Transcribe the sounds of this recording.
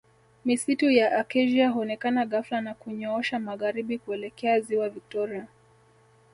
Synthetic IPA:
misitujaʔakɛʒiahuɔnɛkanaɣaflanakuɲɔɔʃamaɣaɾiɓikuɛlɛkɛaziwavik̚tɔɾia

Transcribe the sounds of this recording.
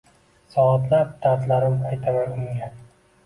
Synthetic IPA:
sɒat̪ʰlap̚d̪̥ʰaɾt̪laɾɪmajt̪ʰamanʊŋɡʲan

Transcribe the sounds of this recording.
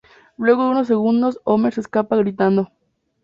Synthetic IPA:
lwe̞ɣoeunos̬ːe̞ɣund̪o̞someseskapaɣɾit̪and̪o

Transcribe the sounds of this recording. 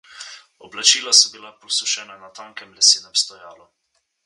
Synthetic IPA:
ɔblat͡ʃiːlasɔbilapɔsuʃɛnanat̪aːŋkɛmlɛsiːnɛmst̪ɔjaːlu

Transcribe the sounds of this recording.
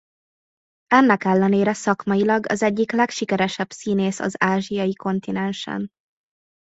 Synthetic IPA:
ɛnːɛkɛlːɛneːɾɛsɒkmɒjilɒɡɒ̰zɛɟːiklɛkʃikɛɾɛʃɛbsiːneːsɒ̰zaːʒijɒjiko̞nt̪inɛnʃɛ̰n

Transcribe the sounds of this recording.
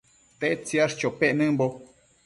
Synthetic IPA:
t̪eʔt͡siaʂt͡ʃopeʔnɨ̃mbo

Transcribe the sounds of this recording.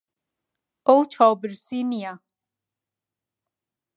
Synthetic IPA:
owt͡ʃʰɑːbɨɾsinija

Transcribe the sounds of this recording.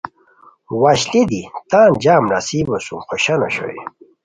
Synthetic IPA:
waɕlid̪it̪ãːnd͡ʑaːmɾasiːbosṵmxoɕɐnoɕo̰ḛ

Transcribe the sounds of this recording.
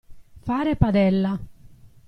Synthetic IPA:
faːɾepad̪ɛlːa

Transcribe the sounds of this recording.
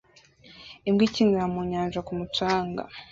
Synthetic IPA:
imɡiciŋɡamuɲaːnʒakumutaːŋɡa̰

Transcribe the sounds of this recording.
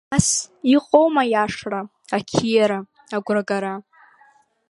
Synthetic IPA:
siqʼowmajaʂra | akʲʰijaɾa | aɡʷraɡaɾa

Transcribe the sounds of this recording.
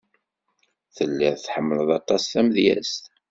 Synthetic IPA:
θəlːiʁθħəmːələðɑt̪ˤɑsθæməðjæ̰st̪

